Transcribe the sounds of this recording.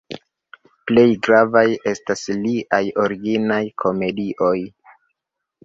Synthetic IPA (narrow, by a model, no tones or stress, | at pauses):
ple̞jɡɾavaje̞stasliʔajo̞ɾiɡinajkʰo̞me̞diʔo̞j